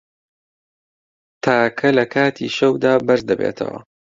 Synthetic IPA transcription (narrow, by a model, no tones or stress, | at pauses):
t̪ʰaːkʰɐlɐkʰaːt̪ʰḭːʃɐwd̪aːbɐɾzd̪ɐbḛːt̪ʰɐ̰wɐ̰